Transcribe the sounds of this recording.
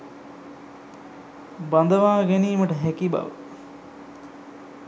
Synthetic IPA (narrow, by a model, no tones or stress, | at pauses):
bɐnd̪əʋaːɡeniːməʈəɦækiba̰ʋə̰